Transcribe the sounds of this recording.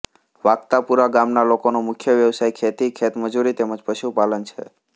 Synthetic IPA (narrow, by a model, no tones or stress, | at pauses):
ʋaɡt̪apuɾaɡamnalokonomʊkʰjəʋjəʋsajkʰet̪ikʰet̪məd͡ʒuɾit̪eməd͡ʒpəʃupalənt͡ʃʰḛ